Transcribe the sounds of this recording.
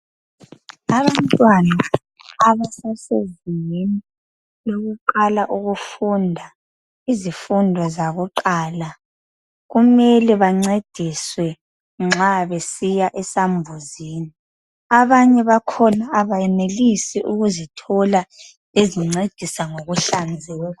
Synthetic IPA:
aβantʼwanaː | βasaseziŋeni | loɣuǃalaʔuɣufundʱa | izifundʱwɔzaβɔǃaːla | ɣumɛlɛβaŋ͡ǀed̥ʱiswɛ | ŋ͡ǁaβesijaʔɛsambʱuziːni | aβaɲɛβakʰɔnaːβajɛnelisɛʔuɣuzitʰɔla | eziŋ͡ǀed̥ʱisaŋoɣuɬand͡zʱɛːla

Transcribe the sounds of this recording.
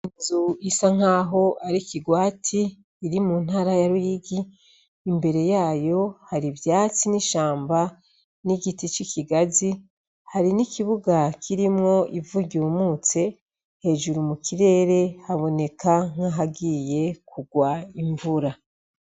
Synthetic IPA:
inzuisaŋ̥aːɦo̞aɾikiɡwaːtʰiː | ɾimun̥haːɾajaɾujiɡiː | mbe̞ɾe̞jaːjo̞haɾivjaːt͡siniʃaːmba | niɡitit͡ʃikʰiɡazi | haɾinikʰiβuɡakʰiɾimŋo̞ʔivuɟuːmuːt͡se̞ | he̞ːʒuɾumukʰiɾe̞ːɾe̞haβo̞ne̞kaŋ̥haɦaɡiːje̞kuɡwaiɱvuɾa

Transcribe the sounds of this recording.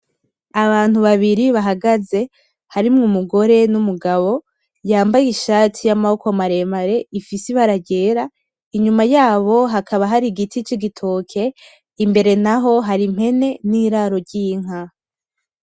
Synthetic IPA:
aβaːn̥huβaβiɾiβaɦaɡaze̞ | haɾimŋumuɡo̞ɾe̞numuɡaβo̞ | jaːmbajiʃaːtʰijamahoko̞maɾe̞maɾe̞ifisiβaɾaɟe̞ːɾa | iɲumajaːβo̞ɦakʰaβaɦaɾiɡitʰit͡ʃiɡitʰokʰe̞ | imbe̞ɾe̞naɦo̞ɦaɾim̥he̞ne̞niːɾaɾo̞ɾɟijiŋ̥a

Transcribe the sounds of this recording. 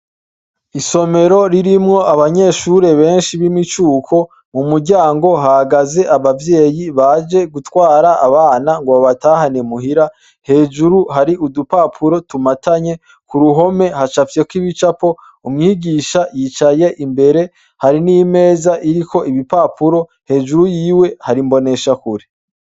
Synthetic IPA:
iso̞me̞ɾo̞ɾiɾimŋo̞aβaɲe̞ʃuɾe̞βe̞ːnʃiβimit͡ʃuːkʰo̞ | mumuɾɟaːŋɡo̞ɦahaɡaze̞ʔaβavje̞ːjiβad͡ʒe̞ɡutwaːɾaaβaːnaŋɡoβaβataːhanemuhiɾa | he̞ːd͡ʒuɾuhaɾiʔudupapʰuɾo̞tumataɲe̞ | kuɾuɦo̞me̞hat͡ʃafje̞kwiβit͡ʃapo̞ | umŋiːɡiːʃajiːt͡ʃaje̞ʔimbe̞ɾe̞ | haɾinime̞ːzaʔiɾikʰo̞ʔiβipapuɾo̞ | he̞ːd͡ʒuɾujiːwehaɾimbo̞ne̞ʃakuɾe

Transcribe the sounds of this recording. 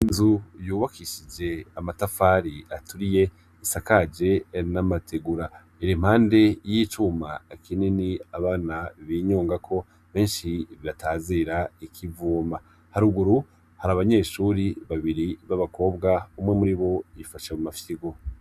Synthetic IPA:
inzujuːβakʰiʃid͡ʒe̞amatafaɾiatuɾije̞ | isakad͡ʒe̞namatʰeɡuɾa | iɾim̥haːnde̞jiːt͡ʃuma̰ekʰininiaβaːnaβiːɲuːŋɡakʰo̞ | βe̞ːnʃiβiɾataːziːɾaikʰivuːma | haɾuɡuɾu | haɾaβaɲe̞ːʃuːɾiβaβiɾiβaβako̞ːbɡaumŋe̞muɾiβo̞ifaʃamumafiɡo

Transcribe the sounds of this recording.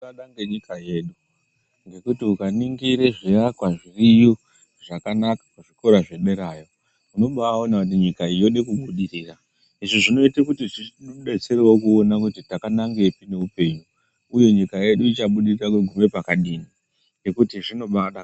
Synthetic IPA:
aɗaŋɡeɲikaje̞ːɗu | ŋɡe̞kutiukaniŋɡiɾe̞ʐirakwaʐirijo | ʐ̥akanakḁkuʐiko̞ɾaʐe̞ɗe̞ɾaːjo̞ | uno̞ɓaao̞nakut̬iɲikaijo̞ɗekuɓuɗiriːra | iʐiʐino̞itekutiʐiɗe̞t͡se̞rewo̞kuonakutitakanaŋɡe̞pine̞upe̞ɲuː | jo̞ɲikaje̞ɗuit͡ʃaɓuɗirirakweɡʱume̞pakaɗiːni | ŋɡe̞kutiʐino̞ɓaɗa

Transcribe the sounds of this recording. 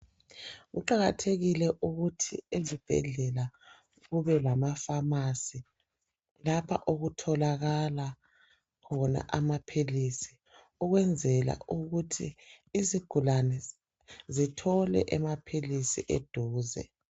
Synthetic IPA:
ɣṵǃaɣatʰeɣilɛʔuɣutʰiezib̥ʱɛ̰ɮɛla | ɣuβɛlamafamasi | lapʰa̰ʔoɣutʰɔlaɣala | kʰɔna̰ʔamapʰilisi̥ | uɣwɛnd͡zʱɛla̰uɣutʰḭː | ziɡ̥ʱulanɛ | zitʰɔlɛ̰ʔɛmapʰilisiʔed̥ʱuːzɛ̰

